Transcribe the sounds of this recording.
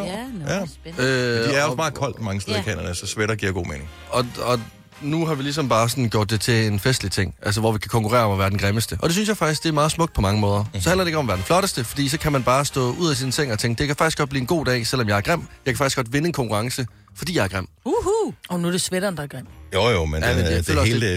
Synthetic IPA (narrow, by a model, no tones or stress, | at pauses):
øæɐɒsmɑ̈ːð̩ˠkʰɒ̽l̰d̥mɑ̈ŋəsdeðˠikʰɛ̰ːnɐnəsɒsʋeɾɐɡ̥iɐɡo̝̰ːmeːne̝ŋ | ɒ̽ɒ̽ | nuɦɑ̈ʋilis̬ɒ̽mb̥ɑ̈ːs̬ɒ̽n̩ɡ̥jo̝ɐ̰d̥̚ːe̝t͡sʰe̝enfesd̥lit͡sʰeŋ̰ʔæls̬əʋɒ̰ʋikʰækʰɒ̽ŋkʰuʁɛ̰ːɐɒ̽mɒʋæːɐd̥enɡʁeməsd̥əʔɒ̽d̥e̝synsjɑ̈ɪfɑɡ̥d̥isɡ̥d̥e̝æɐmɑ̈ːð̩ˠsmɔ̥d̥̚pʰɒ̽mɑ̈ŋəmɔ̽ːð̞ˠɐsɒ̽ænlɐdee̝ɡ̥ɒ̽mɒʋæːɐd̥enflɒ̽ɾ̥əsd̥əfɒ̽d̥ḭːsɒ̽kʰæmænb̥ɑ̈ːsd̥ɔ̰̽ːuð̞̰ˠæs̬insʰeŋ̰ɒt͡sʰeŋɡ̥̚d̥e̝kʰæfɑɡ̥isɡ̥ɒ̥̽bliːenɡ̥o̝̰ːd̥ɛ̰ːsel̰ɒ̽mjɑ̈ɪɐɡ̥ʁam̰jɑɪkæ̥fɡ̥isɡ̥ɒ̽d̥ʋe̝nəenkʰɒ̽ŋkʰuʁɑ̈ŋsə | fɒ̽d̥ḭːjɑ̈ɪɐɡ̥ʁam̰uhuɒnud̥esʋeɾɐnd̥ɐɡ̥am̰jojomenjæmefeø̰lhe̝ːlde